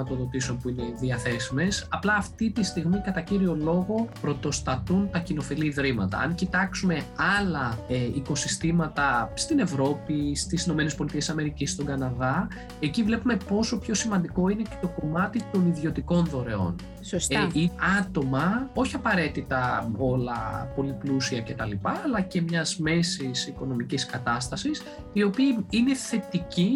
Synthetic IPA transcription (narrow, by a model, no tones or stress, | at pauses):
imɐt̪o̞ðo̞t̪iso̞npuine̞ðiɐθe̞sime̞sɐplɐːft̪it̪ist̪iɣmikɐt̪ɐciɾio̞lo̞ɣo̞pɾo̞t̪o̞st̪ɐt̪unt̪ɐcino̞filiðɾimɐt̪ɐ̰ɐ̰ŋcit̪ɐksume̞ɐlɐiko̞sist̪imɐt̪ɐst̪ine̞vɾo̞pist̪isino̞me̞ne̞spo̞lit̪ie̞sɐme̞ɾicist̪o̞ŋɡɐnɐðɐ | e̞civle̞pume̞po̞so̞pço̞simɐnd̪iko̞ine̞ce̞t̪o̞ko̞mɐt̪it̪o̞niðio̞t̪iko̞nðo̞ɾe̞o̞̰n | siɐt̪o̞mɐoçiɐpɐɾe̞t̪it̪ɐo̞lɐ̰po̞liplusiɐce̞t̪ɐlipɐːlɐce̞mɲɐzme̞sisiko̞no̞miciskɐt̪ɐst̪ɐsis | io̞piiine̞θe̞t̪ici